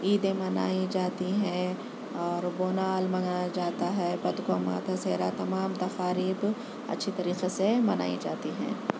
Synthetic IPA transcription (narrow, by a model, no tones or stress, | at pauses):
iːd̪ẽmɐna̰ːid͡ʒaːt̪iɦɛ̃ | ɔːɾboːnaːlmɐ̃ŋajad͡ʒaːt̪aɦɛpɐd̪koma̰ːt̪aseːɾat̪ɐmaːmt̪ɐxaːɾiːb | ɐ̰tːʃʰit̪ɐɾiːqesemɐna̰ːḭd͡ʒa̰ːt̪iɦɛ̰̃ː